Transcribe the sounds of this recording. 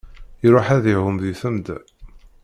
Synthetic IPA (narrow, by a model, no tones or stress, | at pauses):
jɾʊħæðihʊmðiθæmd̪æ̰